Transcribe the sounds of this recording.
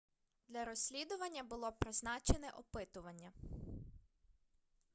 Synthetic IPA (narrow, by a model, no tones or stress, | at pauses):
d̪lʲɐɾɔsʲlʲid̪ʊʋɐnʲːɐbʊlˠɔpɾɪznɑt͡ʃenɛʔɔpɪt̪ʊʋɐnʲːɐ